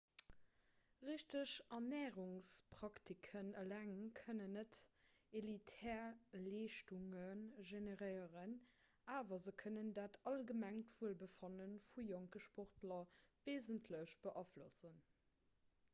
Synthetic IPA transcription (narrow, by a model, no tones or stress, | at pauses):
ʁiʃtəɕʔɑnɛːʁuŋspʁ̥ɑktʰikʰənəlæŋkʰənənːətelitʰɛːleːʃtuŋənʒeneʁəɪəʁən | aːvɐzəkʰənəndaːtɑlɡəmæŋtv̥uəlbəfɑnənfujoŋkəʃpoχtlɐveɪzəntʰləɕb̥əʔɑflosən